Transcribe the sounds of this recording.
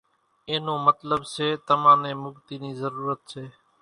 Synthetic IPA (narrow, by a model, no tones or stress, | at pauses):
eːnõːmət̪ləbseːt̪əmãːnẽːmʊɡt̪iːniːzəɾuːɾət̪seː